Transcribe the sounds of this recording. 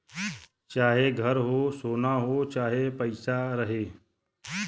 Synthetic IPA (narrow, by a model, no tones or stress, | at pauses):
t͡ʃaːɦeɡʱəɾɦoːsoːnaɦoːt͡ʃaːɦepəɪsaɾəɦeː